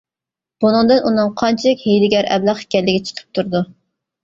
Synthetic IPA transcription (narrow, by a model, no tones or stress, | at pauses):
b̥unɨŋd̪ɨnʔunɨŋqʰɑnt͡ʃʰilɪkʲhejlɪɡʲɛɾʔɛ̰blˠɑχɪ̥kʲɛlːɪɡʲɛt͡ʃʰə̥qʰə̥p̚t̪ʰuɾd̪u